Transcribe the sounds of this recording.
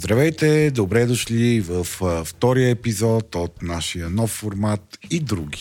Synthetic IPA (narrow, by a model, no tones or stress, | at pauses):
zd̪ɾɐvɛjt̪ɛd̪obɾɛd̪oʃlivəfft̪ɔɾijəɛpizɔt̪ot̪naʃijənɔfːoɾmat̪id̪ɾuɡʲi̥